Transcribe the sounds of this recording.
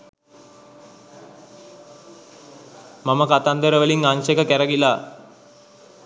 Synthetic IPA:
maməkat̪and̪əɾəʋəliŋaŋʃekəkæɾəɡilaː

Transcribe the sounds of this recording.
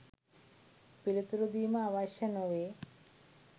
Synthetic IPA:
pilit̪ɾud̪iːmɐaʋaʃɐnoʋe

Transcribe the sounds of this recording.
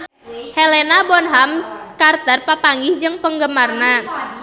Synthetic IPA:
helenabɔnɦamkart̪ərpapaŋɡihd͡ʒɨŋpəŋɡəmarna

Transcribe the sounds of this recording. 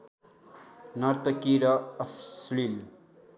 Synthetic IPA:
nʌɾt̪ʌkiɾʌːslil

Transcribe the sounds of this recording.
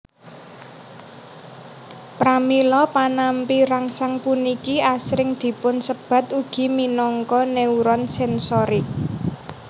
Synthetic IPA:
pɾamilɔpanampiɾaŋsaŋpunikiasɾɪŋd̪̥i̤pʊnsəb̥ä̤t̪uɡ̥i̤minɔŋkɔneuɾɔnsɛnsɔɾi

